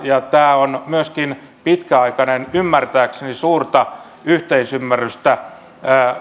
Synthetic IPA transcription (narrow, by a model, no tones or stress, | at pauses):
jɑt̪æːonmyøskin | pit̪kæɑikɑnenymːært̪æːksenisuːrt̪ɑ | yht̪eisymːærːyst̪æː